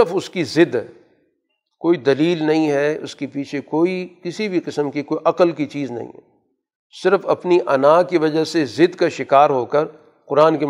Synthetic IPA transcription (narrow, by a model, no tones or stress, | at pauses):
ɾfʊskizɪd̪ɦɛ | koːid̪ɐliːlnɐɦĩɦɛʊ̰skipiːt͡ʃʰekoːikɪsibʱiqɪsəmkikoːiʔɐqəlkit͡ʃiːznɐ̰ɦḭ̃ɦɛ̰ | sɪɾəfɐpniʔɐnaːkiʋɐd͡ʒəsezɪd̪kaʃɪkaːɾɦoːkɐɾ | qʊɾaːnke